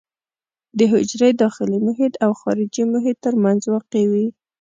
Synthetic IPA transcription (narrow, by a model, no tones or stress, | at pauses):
d̪əɦɪd͡ʒɾejd̪ɑxɪlimʊɦɪd̪awxɑɾɪd͡ʒimʊɦɪd̪̚t̪ːəɾmanzwɑqewi